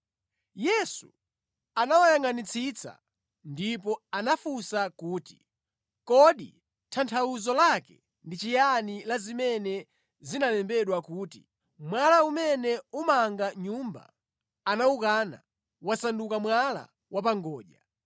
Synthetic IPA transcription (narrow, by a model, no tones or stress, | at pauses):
jɛsu | anawajaŋanit͡sʰit͡sa̰ | ndipɔanafusakuːti̥ | kɔɗḭ | tʰantʰauzɔlakɛ | ndit͡ʃijanilazimɛnɛ | zinalɛmbɛɗwakuːtḭ | mwalaumɛnɛumaŋɡaɲumba̰ | anaukaːna̰ | wasandukamwala̰ | wap̬aŋɡɔːʄa